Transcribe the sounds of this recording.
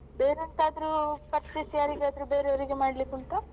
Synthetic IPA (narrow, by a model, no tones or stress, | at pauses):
beːɾɐnt̪aːd̪ɾupɐɾt͡ʃisijaːɾiɡeaːd̪ɾubeːɾeoɾiɡemaːɽlikunt̪ɐ